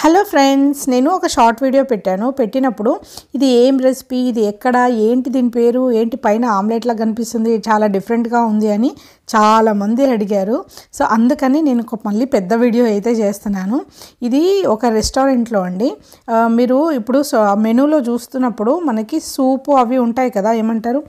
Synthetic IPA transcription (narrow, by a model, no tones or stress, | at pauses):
helo̞ːpʰɾeɳɖsne̞ːnuɔkɐʃaːɾʈʋiːɽijo̞ːpeʈːaːnupe̞ʈːinɐpːuɽuid̪ieːmɾesi̥piːd̪iɛkːɐɽɐe̞ːɳʈid̪iːnipe̞ːɾue̞ːɳʈipɐjnɐaːmleːʈloːkɐnipist̪und̪it͡ʃaːlaːɖipʰɐɾeɳʈɡaːund̪iɐni | t͡ʃaːlaːmɐnd̪iɐɽiɡaːɾuso̞ːʔɐnd̪ukɐneːne̞ːnukomɐlːipɛd̪ːɐʋiːɽijo̞ːɐjt̪e̞ːt͡ʃe̞ːst̪unːaːnuid̪iɔkɐɾesʈoːɾeɳʈlo̞ːɐɳɖi | miːɾuipːuɽusme̞nuːlo̞ːt͡ʃuːst̪unːɐpːuɽumɐnɐkisuːpuɐʋiuɳʈaːjikɐd̪aːe̞ːmɐɳʈaːɾu